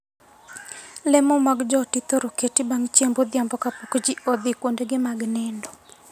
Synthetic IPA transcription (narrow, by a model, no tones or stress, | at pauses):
lɛmomaɡd͡ʒɔtit̪oɾoketibaŋt͡ʃjembod̪jambɔkapokd͡ʒiɔd̪ɪkwondeɡɪmaɡnɛndɔ